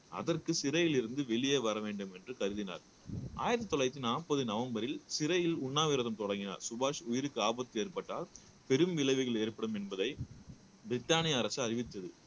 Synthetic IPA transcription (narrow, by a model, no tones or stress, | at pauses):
ɐ̰ðɐrkɯsɪɾɐjɪlɪɾɯnd̪ɯʋɛɭɪjeːʋɐɾɐʋeːɳɖɯmɛndrɯkɐɾɯðɪna̰ːɾ | ʔa̰ːjɐðɐt̪ːɔɭɐɪt̪ːɪnaːpːɐðɯnɐʋɐmbɐɾɪlsɪɾɐjɪlʊɳːaːʋɪɾɐðɐmt̪ɔɽɐŋɡɪna̰ːɾsʊbaːʂʊjɪɾɯkːɯaːbɐt̪ːɯeːɾpɐʈːa̰ːl | pɛɾɯmʋɪlɐɪʋɯɣɐɭeːɾpɐɽɯmɛnbɐðɐɪ | bɪɾɪt̪ːaːnɪjɐːɾɐsɯɐɾɪʋɪt̪ːɐðɯ